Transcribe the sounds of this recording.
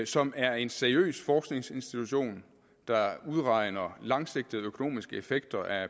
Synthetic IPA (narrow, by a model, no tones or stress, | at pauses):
sɒ̽mæɐe̝nseɐiø̰ːsfɒːsɡ̥ne̝ŋse̝nsd̥it͡sʰuɕo̝̰ːn | d̥ɑ̈uð̞ˠʁɑ̈ɪ̰nɐlɑ̈ŋse̝ɡ̥̚d̥əð̩ˠøkʰo̝no̝̰ːmisɡ̥əefeɡ̥̚d̥ɐʔæ